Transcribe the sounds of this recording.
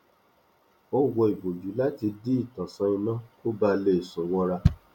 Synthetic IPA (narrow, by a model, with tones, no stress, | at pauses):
o˦wɔ˧i˨bo˨d͡ʒu˨˦la˦ti˧di˦i˦˨tɔ̃˨sɔ̃˧ĩ˧nã˦ko˦ba˧˦le˧˦˨sɔ̃˨˦wɔ˧ɾa˧